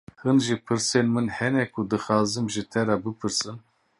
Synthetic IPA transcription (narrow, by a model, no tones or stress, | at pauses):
hɨnʒipʰɨɾsenmɨnhɛnɛkʷʰud̪ɨxɑːzɨmʒit̪ʰɛɾabɨpʰɨɾsɨn